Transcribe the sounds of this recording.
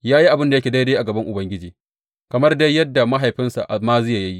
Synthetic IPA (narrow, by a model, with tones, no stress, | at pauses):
jaː˦ji˦ʔa˨bɪ˦nda˨jɐ˦kʲe˨da˦da˦ʔa˨ɡɐ˨bɐ˦ŋʔʊ˨bɐ˦ŋɡʲɪ˦d͡ʒiː˨ | kɐ˨mɐ˦rda˦jːɐ˦dːa˨ma˦ɦa˨jɸɪ˦nsa̰˨ʔmaː˦zɪ˦ja˨jɐ˦ji˦ʔ